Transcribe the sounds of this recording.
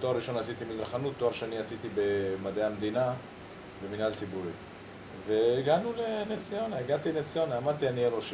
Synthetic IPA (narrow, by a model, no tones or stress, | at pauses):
t̪oaɾiʃo̞nasit̪imizʁaχanut̪ːoaʁʃeaniasit̪ibemad̪eamd̪ina | beminalt͡sibuɾḭ | ve̞ːɡanulenet͡sijo̞naeɡat̪inet͡sjonaːmad̪t̪ianienoʃ